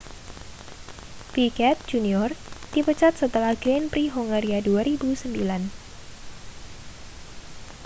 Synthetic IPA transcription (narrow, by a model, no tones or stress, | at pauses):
pikɛt̪̚d͡ʒuniɔrd̥ipət͡ʃat̪̚sət̪əlahɡɾenpɾiɦoŋaɾiaduaɾibusəmbilan